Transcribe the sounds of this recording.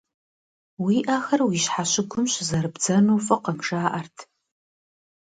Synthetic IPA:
wiːʔaːxɐrwiːɕħaɕɪɡʷʰʊmɕzɐɾɨbd͡zɐnuːfʼɐqɐmʂaːʔɐrtʰ

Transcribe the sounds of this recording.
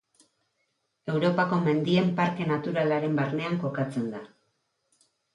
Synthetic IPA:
e̞wɾo̞pako̞me̞nd̪ie̞mpaɾke̞nat̪uɾalaɾe̞mbaɾne̞aŋko̞kat͡se̞nd̪a

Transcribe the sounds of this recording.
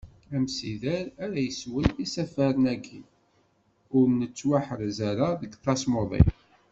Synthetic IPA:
æmsiðæɾæɾæjəswəlisæfæɾənæɡi | ʊɾnət͡sːwaħəɾzæɾaðəɡθɑsmoðˤḭ

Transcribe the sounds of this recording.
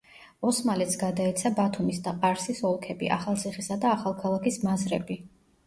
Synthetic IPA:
ɔsmalɛt̪sɡad̪aɛt̪sʰabat̪ʰumisd̪aqʼaɾsisɔlˠkʰɛbḭʔa̰χalˠt̪sʰiχisad̪aːχalˠkʰalˠakʰismazɾɛ̰bi

